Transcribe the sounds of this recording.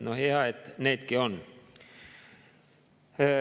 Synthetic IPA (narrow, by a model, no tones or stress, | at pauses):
noheɑet̪neit̪kion